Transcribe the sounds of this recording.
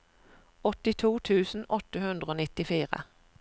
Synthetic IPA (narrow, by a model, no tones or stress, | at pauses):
ɔt̪ɪt̪ʰuːt̪ʰʉːsn̩ʔɔt̪əhʉnd̪ʁəoːnɪt̪ɪfiːʁə̰